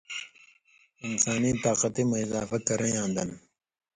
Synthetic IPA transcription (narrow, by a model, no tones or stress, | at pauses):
ɪnsaːnit̪aːqɐt̪imɐɪzaːfɐkɐɾɐjãːnd̪ɐn